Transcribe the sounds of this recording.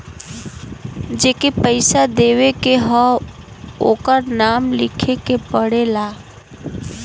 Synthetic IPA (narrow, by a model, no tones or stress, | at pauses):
d͡ʒeːkepəɪsad̪eːʋekeɦɔ | o̰ːkəɾnaːmlɪkʰekepəɽelaː